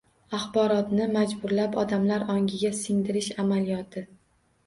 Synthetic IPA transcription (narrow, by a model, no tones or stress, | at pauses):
aχbɒɾɒt̪nɪmad͡ʒbʊɾlapɒd̪amlaɾɒŋɡʲɪɡʲasɪŋd̪ɪɾɪʃamalijɒt̪ʰɪ